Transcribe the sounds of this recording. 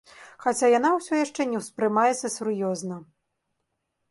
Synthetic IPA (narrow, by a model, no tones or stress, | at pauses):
xat͡sʲajanawsʲɔjaʂt͡ʂɛnʲɛwspɾɨmajɛt̪sɐsʲurjɔznɐ